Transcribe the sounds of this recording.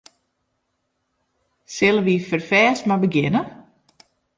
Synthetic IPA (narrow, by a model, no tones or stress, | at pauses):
sɪlˠəʋifərfɛːsmabəɡɪnə